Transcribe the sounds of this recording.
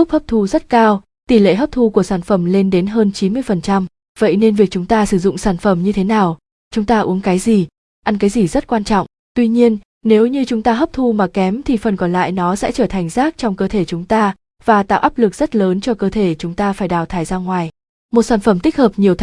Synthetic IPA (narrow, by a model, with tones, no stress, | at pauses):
ʊ˦˥k͡p̚həː˦˥p̚t̪ʰu˧zə˦˥t̚kaː˧w | t̪i˧˩lḛ˧˨ɦəː˦˥p̚t̪ʰu˧ku˧˩əsaː˧˩nfə˧˩mle˧nɗe˨˦nɦəː˧nt͡ɕi˨˦nmɨ˧əjfə˨˩nt͡ɕa˧m | və̰˧˨jne˧nvi˨˩ək̚t͡ɕʊ˨˦ŋ͡mt̪aː˧sɨ˧˩zʊ̰˧˨ŋ͡msaː˧˩nfə˧˩mɲɨ˧t̪ʰe˨˦naː˨˩w | t͡ɕʊ˨˦ŋ͡mt̪aː˧ʔu˨˦əŋkaː˨˦jzi˨˩ | ʔa˧nk̬aː˨˦jzi˨˩zə˦˥t̚kwaː˧nt͡ɕɔ̰˧˨wŋ͡m | t̪wi˧ɲi˧ən | ne˨˦wɲɨ˧t͡ɕʊ˨˦ŋ͡mt̪aː˧ɦəː˦˥p̚t̪ʰu˧maː˨˩kɛ˨˦mt̪ʰi˨˩fə˨˩nkɔ˨˩nla̰ː˧˨jnɔ˨˦sɛ̰˧˥t͡ɕəː˧˩t̪ʰa˨˩jŋ̟zaː˦˥k̚t͡ɕɔ˧wŋ͡mkəː˧t̪ʰe˧˩t͡ɕʊ˨˦ŋ͡mt̪aː˧ | vaː˨˩t̪a̰ː˧˨ʔaː˦˥p̚lɨ˨˩k̚z̥ə˦˥t̚ləː˨˦nt͡ɕɔ˧kəː˧t̪ʰe˧˩t͡ɕʊ˨˦ŋ͡mt̪aː˧faː˧˩jɗaː˧˩wt̪ʰaː˧˩jzaː˧ŋwaː˨˩j | mo˨˩saː˧˩nfə˧˩mt̪i˦˥k̟̚həː˨˩p̚ɲi˨˩əwt̪ʰ